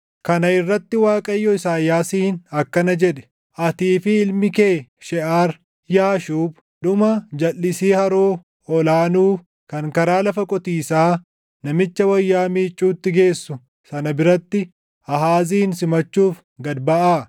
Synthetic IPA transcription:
kɐnɐɪrːɐt̪ːɪwaːkʼɐjːɔɪsaːjːaːsiːnɐkːɐnɐd͡ʒɛᶑɛ̥ | ʔɐt̪iːfɪɪlmɪke̞ːʃɛʔaːɾ | jaːʃuːb | ᶑʊmɐd͡ʒɐlːɪsiːhɐɾoː | ɔlaːnuː | kɐŋkɐɾaːlɐfɐkʼɔt̪iːsaː | nɐmɪt͡ʃːɐwɐjːaːmiːt͡ʃʼːuːt̪ːɪɡe̞ːsːʊ | sɐnɐbɪɾɐt̪ːɪ | ɐɦaːziːnsɪmɐt͡ʃːuːf | ɡɐd̪bɐʔaː

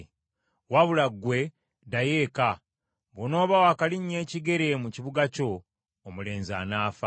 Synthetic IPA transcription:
waβulaɡwe̞ | daje̞ːka | βono̞ːβawakaliɲːe̞ːciɡe̞ɾe̞muciβuɡaco̞ː | mule̞ːnza̰ːnaːfa

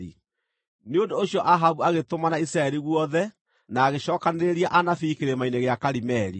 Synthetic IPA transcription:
i | neondoːɕiɔʔaɦaβuaɣetomanaisɾaɛɾiɣwɔðɛ | naːɣeʃɔːkaneɾeɾiaʔanafiːkeɾemaineɣeakaɾimɛɾḭ

